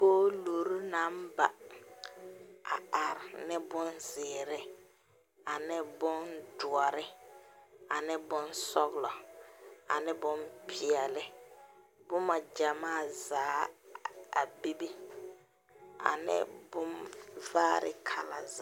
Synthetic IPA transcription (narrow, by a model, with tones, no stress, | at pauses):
boː˦loː˨ɾu˦na˨˦m˦ba˨ | a̰˨a˨ɾɪ˨nɪ˦bʊ˦nzɪː˨ɾɪ˦ | a˨nɪ˦bʊ˦ndʊ˨ɔ˨ɾɪ˦ | a˨nɪ˦bʊ˦nsɔ˦ɣlɔ˨ | a̰˨nɪ˦bʊ˦mpʰɪ˨ɛ˨lɪ˦ | bʊ˦ma˨d͡ʒa˨maː˦˨zaː˨˦ | a̰˨bi˦bi˦ | a̰˨nɪ̰˦bʊ˦mvaː˦ɾɪ̰˦kʰa˨la˨z